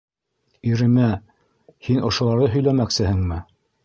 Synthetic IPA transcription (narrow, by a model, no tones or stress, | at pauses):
iɾɘ̆mæ | hinʔŏʃŏlˠɑɾðɤɦɵ̆jlæmæksɘ̆ɦɘŋmɘ